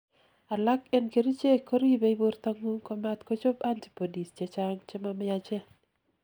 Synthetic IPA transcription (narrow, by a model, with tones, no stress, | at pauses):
a˨la˦kɛ˦nke˨ɾi˦t͡ʃe˦ko˦ɾi˦be˦i˦bo˦ɾt̪a˦ŋu˦kɔ˨mat̪ko˦t͡ʃo˦panti̥po˨di˨st͡ʃe˨t͡ʃa˦ŋt͡ʃɛ˦mamɪ˦jat͡ʃe˦